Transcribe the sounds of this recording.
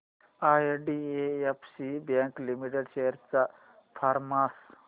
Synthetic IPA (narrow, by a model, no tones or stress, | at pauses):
ajɖieepʰsibjãŋklimiʈeɖɕejəɾt͡sa | fʰaɾmas